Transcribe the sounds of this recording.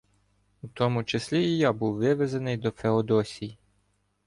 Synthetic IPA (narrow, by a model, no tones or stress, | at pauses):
ut̪ɔmʊt͡ʃesʲlʲiijabuwːɪʋezenɪjd̪ɔfeɔd̪ɔsʲiji